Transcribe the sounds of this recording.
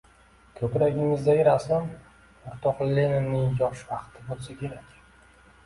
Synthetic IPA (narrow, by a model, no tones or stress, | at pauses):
kʲʰɵpɾaɡʲɪmɪzd̪ajɪɾasam | ʊɾt̪ʰɒχlːenɪmnɪŋjɒʃvɑqt̪ʰɪbolsakʲʰe̞ɾakʲ